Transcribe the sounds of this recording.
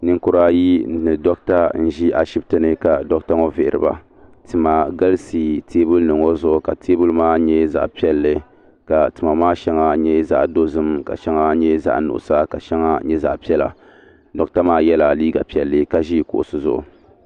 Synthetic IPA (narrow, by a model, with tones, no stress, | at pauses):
nɨ˦ŋkʊ˦ɾa˦ji˦˨˦nɨ˨dɔ˦k̚ta˦n̩˦ʒi˦ʔa˨ʃi˦b̚tɨ˦nɨ˨ka˨dɔ˦k̚ta˦ŋɔ˦vɪ˨ʔɪ˨ɾɨ˨ba̰˦ | tɨ˨ma˨ɡa˦lsi˨tʰe˦bu˦lnɨ˨ŋo˦zʊ˦ʔʊ˨ka˨tʰe˦bu˦lmaː˦ɲɛ˦za̰˨ʔpi˦ɛ˦lːɨ˨ | ka˨tɨ˨ma˨maː˦ʃɛ˦ŋa˦ɲɛ˦za̰˦ʔdo˦zɨ˦mka̰˨ʃɛ˦ŋa˦ɲɛ˦za̰˦ʔnʊ̰˨ʔʊ̰˦˨sa˦ka˨ʃɛ˦ŋa˦ɲɛ˦za˨ʔpi˦ɛ˦la̰˨ | dɔ˦k̚ta˦maː˦jɛ˦la˨liː˦ɡa˨pi˨ɛ˨lːɨ˨ka˨ʒi˦kʊ̰˨ʔʊ̰˨sɨ˨zʊ˦ʔʊ̰˨